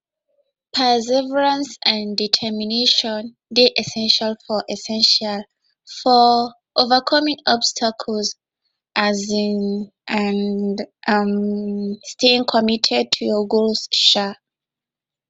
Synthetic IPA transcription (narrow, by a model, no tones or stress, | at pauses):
pʰɛzɛvɛɹãnsãnditʰɛmineʃɔ̃n | deʔɛsɛ̃nʃalfɔʔɛsɛ̃nʃal | fɔ | ʔovakʰɔmĩŋɔbstʰakʰəls | ʔazĩn | andm | steĩŋkʰɔmitʰɛd̚tʰujɔɡostʃa